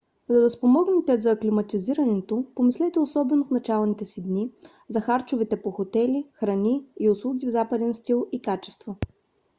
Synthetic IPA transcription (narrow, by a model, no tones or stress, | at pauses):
d̪ɐd̪ɐspomɔɡnɛt̪ɛzɐklimɐt̪iziɾɐnɛt̪opomislɛt̪ɛosɔbɛnofnɐt͡ʃalˠnit̪ɛsid̪ni | zɐxaɾt͡ʃʊvit̪ɛpoxot̪ɛlixɾɐniːʊslˠuɡʲivzapəd̪ɛnst̪ilˠikat͡ʃɛ̥st̪vo